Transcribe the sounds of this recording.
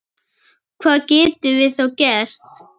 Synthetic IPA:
kʰvaːcɪt̪ʏvɪθowcɛɾ̥t̪

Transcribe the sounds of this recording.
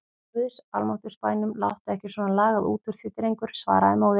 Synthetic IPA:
ʏsalmowht̪ʏ̥spaːjnʏmla̰wht̪ɛhcɪsvɔːnanlaːɣaðṵːt̪ʰʏɾ̥θfɪt̪ɪɾejŋkʏɾ̥sva̰ːɾaðɪmawð

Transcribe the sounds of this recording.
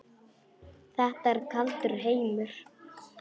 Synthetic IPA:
θɛht̪aɛɾkʰalt̪ʏɾ̥ɦeːjmʏɾ̥

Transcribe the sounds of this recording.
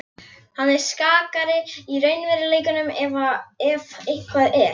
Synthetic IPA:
hanːɛɾ̥skaːkaɾɪirœːɥnvɛɾɪlejkʏnʏmɛvaɛvɪhkʰvaðɛɾ

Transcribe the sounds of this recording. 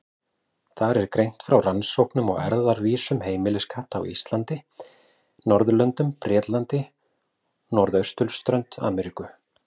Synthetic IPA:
θaɾɛɾkɾejn̥t̪fɾawransowknʏmɔɣɛ̰ɾðaɾviːsʏmheːjmɪlɪskʰaht̪a̰wḭst̪lant̪ɪ | nɔɾðʏlœnt̪ʏmpɾɛːt̪lant̪ɪ | nɔɾðœɥst̪ʏlst̪ɾœɥnt̪a̰ːmɛɾikʏ

